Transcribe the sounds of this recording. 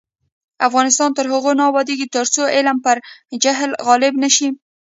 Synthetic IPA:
afɣɑnɪst̪ɑnt̪əɾɦʊɣonɑbɑd̪eɡit̪əɾt͡soʔɪlmpəɾd͡ʒaɦlɣɑlɪbnaʃi

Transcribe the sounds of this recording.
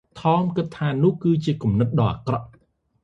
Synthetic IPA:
t̪ʰɑːmkɨt̪ʰːaːnʊ̆əhkɨːt͡ɕiəkumnɨt̪̚ɗɑːʔa̰krɑʔ

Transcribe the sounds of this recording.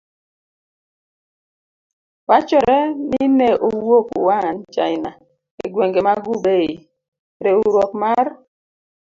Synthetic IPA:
wat͡ʃɔɾeninɛʔowokṵwant͡ʃa̰ina | ḛɡweŋɡemaɡubei | ɾeuɾɔk̚maɾ

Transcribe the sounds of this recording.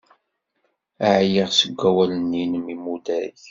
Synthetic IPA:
aʕjiʁsəɡʷːæwælənːinəmimud̪æɾç

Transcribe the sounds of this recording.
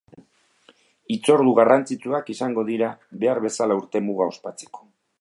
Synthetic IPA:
it͡so̞ɾðuɣarant͡sit͡suakisaŋɡo̞ðiɾaβe̞aɾβe̞salauɾt̪e̞muɣao̞spat͡se̥ko̥

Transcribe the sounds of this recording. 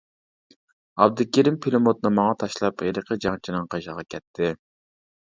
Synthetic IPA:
ɑb̚d̪ɨkʲeɾimpʰilɪmot̪nɨmɑŋɑt̪ʰɑʃlˠɑpeɾəqʰəd͡ʒɑŋt͡ʃʰinɨŋqʰɑʃɑʁɑkʲʰɛt̪ʰːɪ

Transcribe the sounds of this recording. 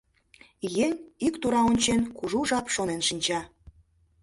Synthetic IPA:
jenikt̪uɾɑonʲt͡ɕenkuʒuʒɑpʃonenʃinʲt͡ɕɑ

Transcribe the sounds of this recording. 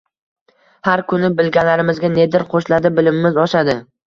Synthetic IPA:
haɾkʰʊnɪbɪlɡʲanlaɾɪmɪzɡʲaned̪ɪɾqʰoʃlad̪ɪbɪlɪmːɪzɒʃad̪ɪ

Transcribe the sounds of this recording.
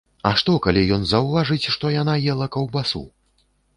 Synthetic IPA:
ɐʂt̪ɔkalʲijɔnzɐwvaʐɨt͡sʲʂt̪ɔjanajɛlˠɐkɐwbasṵ

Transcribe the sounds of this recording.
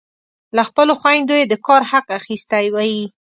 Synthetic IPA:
laxpəloxwajnd̪ojed̪əkɑɾhaqaxist̪ajwaji

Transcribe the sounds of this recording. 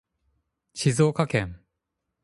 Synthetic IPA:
t͡ɕis̬okʰakʰem

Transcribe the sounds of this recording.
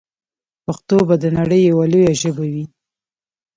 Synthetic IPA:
paxt̪obad̪ənaɽəjːawalojaʒəbawi

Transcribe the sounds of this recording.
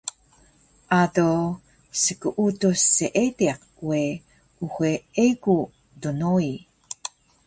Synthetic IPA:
ʔato | səkuʔutoseʔetiaq̚ | we | uxʷeeku | donoi

